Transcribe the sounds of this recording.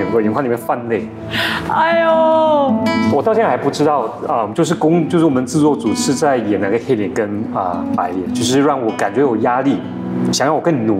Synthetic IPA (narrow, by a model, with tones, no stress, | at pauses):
ɥɛ˧˥ŋxa˥˩li˨˩mjnfa˥˧nle˥˩ɪ | a˥˩ɪɔ˥ | wɔ˨˩t̪ɑ˥˧ʊjɛ˥nxa˧˥ɪpu˥˩ʈ͡ʂɻ̩˥t̪ɑ˥˩ʊə˥˧t͡ɕjo˥˧ʊʂɻ̩˥˩kʊ˥ŋt͡ɕjo˥˧ʊʂɻ̩˥˩wɔ˨˩mə˧˦nt͡sɹ̩˥˧t͡swɔ˥˩t͡su˨˩ʂɻ̩˥˧t͡sa˥˩ɪjɛ˨˩na˧˥˩ɡə˧t̪ʰe˥˩t̪jɛ˨˩nkə˦nə˧˩pa˧˥ɪjɛ˨˩nt͡ɕjo˥˧ʊʂ̬ɻ̩˥˧ɻɑ˥˩ŋwɔ˨˧˥ka˨˩nt͡ɕɥɛ˧˥jo˨˩ja˥li˥˩ | ɕjŋjɑ˥˩wɔ˨˩kə˥˩n˨nu˨˩